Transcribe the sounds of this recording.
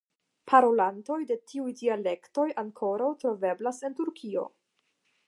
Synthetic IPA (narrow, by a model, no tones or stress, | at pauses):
pʰaɾo̞lanto̞jde̞tʰiujdiale̞kto̞jaŋkʰo̞ɾawtɾo̞ve̞blase̞ntuɾkʰio̰